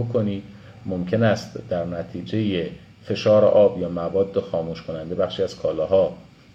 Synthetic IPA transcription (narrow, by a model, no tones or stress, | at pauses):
okʰoniːd̪̥ | mo̞mcʰe̞næst̪d̪æɾnæt̪ʰiːd͡ʒe̞je | fe̞ʃɒːɾḛʔɒːbjɒːmævɒːd̪ːe̞xɒːmuːʃkʰo̞nænd̪e̞bæχʃiːæz̥kʰɒːlɒːɦɒː